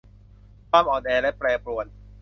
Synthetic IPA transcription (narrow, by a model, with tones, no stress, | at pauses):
kaː˥˩mʔɔː˨˩nʔɛː˧˩lɛ˦˥pɾɛː˧pɾu˨˩ət̪̚